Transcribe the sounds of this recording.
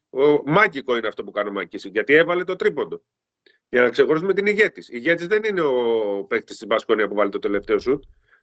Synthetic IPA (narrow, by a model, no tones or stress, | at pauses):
omɐciko̞ineɐft̪o̞pukɐnomɐcisiʝɐt̪ie̞vɐle̞t̪o̞t̪ɾipo̞nd̪o̞ | ʝɐnɐkse̞xo̞ɾisume̞t̪iniʝe̞t̪isiːʝe̞t̪izðe̞nine̞o̞pe̞k̚t̪i̥st̪izbɐsko̞niɐpuvɐlet̪ot̪e̞le̞ft̪e̞o̞sut̪̚